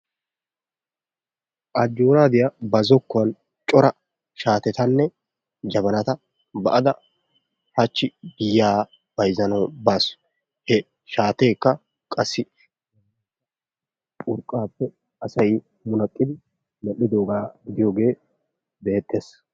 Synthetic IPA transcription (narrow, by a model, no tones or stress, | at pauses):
ʔɐd͡ʒːoːɾaːd̪ɪjɐbɐzɔkːɔɐn | t͡ʃʼɔɾɐ | ʃaːt̪ɛt̪ɐnːɛ | d͡ʒɐβɐnɐt̪ɐ | bɐʔɐd̪ɐ | hɐt͡ʃːɪɡɪjːaː | b̥ɐjzɐnɔbaːsʊ̥ | hɛ | ʃaːt̪e̞ːkːɐ | kʼɐsːɪ | kʼʊɾkʼːaːpːɛ | ɐsɐj | mʊnɐkʼːɪd̪ɪ | mɛʔːɪd̪oːɡaːb̪ɪjoːɡe̞ː | be̞ːt̪ːe̞ːs